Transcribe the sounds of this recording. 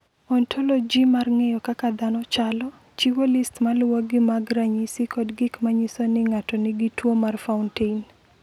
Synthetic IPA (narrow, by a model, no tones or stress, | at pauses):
ɔntʰolɔd͡ʒimarŋejɔkakad̪anɔt͡ʃalɔ | t͡ʃiwolɪstmalwoɡɪmaɡɾaɲisɪkɔdɡɪkmaɲisonɪŋatɔnɪɡɪtwomarfaʊntein